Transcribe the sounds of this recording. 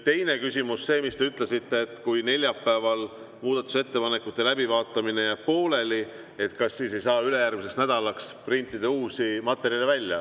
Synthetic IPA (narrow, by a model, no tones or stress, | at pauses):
t̪e̞jne̞kysʲimusːe̞ːmist̪e̞yt̪ˑle̞sit̪ːe̞ːt̪kujne̞lʲjɑpːæevɑl | muːd̪̥ɑt̪ːˑu̥se̞t̪ːe̞pɑne̞kːˑut̪ˑːe̞læbivɑːt̪ːˑɑmine̞jɑpo̞ːle̞li | e̞t̪kɑsːiːse̞jsɑːyle̞jærmis̬e̞ksnæd̪̥ɑlɑksprint̪ːˑid̪e̞uːsimɑt̪ːˑe̞ɾjɑlevælʲːjɑ̰